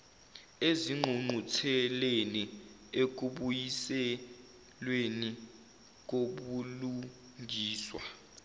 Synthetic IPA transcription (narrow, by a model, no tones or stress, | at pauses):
eziŋ͡ǃʱuŋ͡ǃutʰɛleni | ek̬uɓujisɛ | lweni | k̬oɓulu | ŋʱiːswa̰